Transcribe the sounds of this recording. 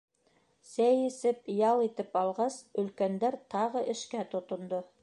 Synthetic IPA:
sæjɘ̆sɘp̚jɑlˠit̪ɘpɑlˠʁɑsɵ̆lkænd̪æɾt̪ɑʁɤʔɘ̆ʃkæt̪ŏt̪ŏnd̪o

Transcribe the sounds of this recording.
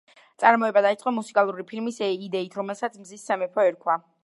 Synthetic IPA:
t̪sʼaɾmɔɛbad̪ait̪sʼqʼɔmusikʼalˠuɾipʰilmisɛid̪ɛit̪ʰɾɔmɛlˠsat̪sʰmzisːamɛpʰɔɛɾkʰwa

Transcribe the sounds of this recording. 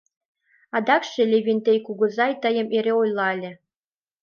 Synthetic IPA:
ɑd̪ɑkʃĕlʲeβʲenʲt̪ejkuɣɤ̆zɑjt̪əjə̆meɾeojlˠɑlʲĕ

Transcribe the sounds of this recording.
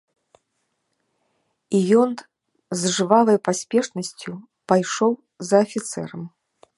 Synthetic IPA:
ijɔn | zʐɨvalˠɐjpasʲpʲɛʂnɐsʲt͡sʲu | pajʂɔw | zɐːfʲit̪sɛ̰ɾɐm

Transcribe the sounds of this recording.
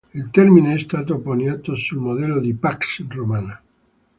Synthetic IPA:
ilt̪ɛrmineɛst̪aːt̪oponjaːt̪osulmod̪ɛlːod̪ipaksromaːna

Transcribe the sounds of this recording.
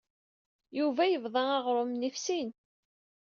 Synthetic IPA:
juvæjəvðˤɑɑʁɾˤomnifsin

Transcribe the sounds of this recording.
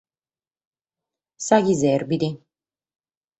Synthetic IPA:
saɡizɛɾbid̪e

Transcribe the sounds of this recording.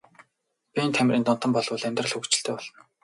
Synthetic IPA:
pʲient̪ʰæm̆ʲrent̪ɔnt̪ə̆mpɔɮwʊ̆ːɮæmʲt̪rə̆ɮxɵkt͡ɕɪ̆ɬt̪ʰeːpɔɮɞ̆n

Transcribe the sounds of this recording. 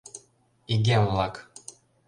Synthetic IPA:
iɡʲemvlˠɑk

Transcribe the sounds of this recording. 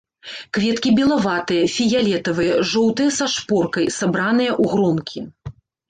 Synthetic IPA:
kvʲɛt̪kʲibʲɛlˠavat̪ɨjɐfʲijalʲɛt̪ɐvɨjɐʐɔwt̪ɨjɐsaʂpɔrkɐjsabɾanɨjɐʔuɣɾɔmkʲʰi

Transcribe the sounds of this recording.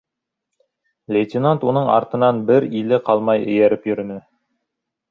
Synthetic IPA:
lʲejt̪ʲinant̪unɤɴɑ̰ɾt̪ɤ̆nɑnbɘɾilɘqɑlˠmɑjɘ̰̆jæɾɘpjɵ̆ɾɵ̆nɘ

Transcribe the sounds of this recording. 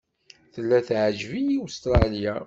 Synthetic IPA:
θəlːæθʕʒvijiust̪ɾˤɑlja

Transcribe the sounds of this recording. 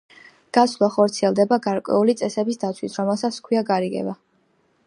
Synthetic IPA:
ɡ̥aslˠaχɔɾt̪sʰiɛlˠd̪ɛbaɡaɾkʼwɛ̰ulit̪sʼɛsɛbisd̪at̪sʰwisɾɔmɛlˠsat̪skʰwiaɡaɾiɡɛ̰ba

